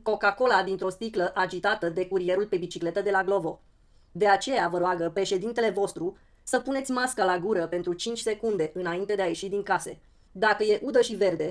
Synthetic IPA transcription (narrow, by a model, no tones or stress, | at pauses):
ko̞kako̞lad̪int̪ɾo̞st̪ikləʔad͡ʒit̪at̪əd̪e̞kuɾije̞ɾulpe̞bit͡ʃikle̞t̪əd̪e̞laɡlo̞vo̞ | d̪eat͡ʃe̞javəɾoaɡəpɾe̞ʃe̞d̪int̪e̞le̞vo̞st̪ɾu | səpunesʲmaskəlaɡuɾəpe̞nt̪ɾut͡ʃint͡ʃʲse̞kund̪e̞ʔɨnaint̪e̞d̪eaje̞ʃid̪iŋkase̞ | d̪akəje̞ʔud̪əʃive̞rd̪e̞